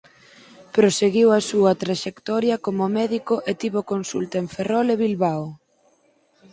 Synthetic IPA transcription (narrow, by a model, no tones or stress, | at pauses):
pɾoseɣiwɐsuɐt̪ɾaʃekt̪ɔɾjɐkomomɛðikoʔet̪iβokonsṵlt̪ɐeɱferɔleβilβaw